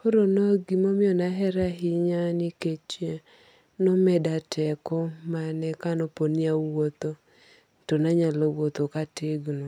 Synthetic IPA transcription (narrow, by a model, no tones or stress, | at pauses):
poɾonoɡimomɪɔnaɦɛɾaɦɪɲaniket͡ʃe | nomɛdatʰɛkɔmanɛkanɔponɪawot̪o | tonaɲalawot̪okatɪɡno